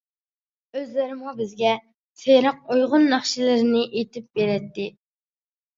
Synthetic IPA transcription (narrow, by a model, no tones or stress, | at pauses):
øzlɪɾɪmubɪzɡʲɛ | sejɾɑq̚ojʁʊnːɑχʃilɪɾnɪʔet̪ʰɪp̚beɾɛt̪ːɪ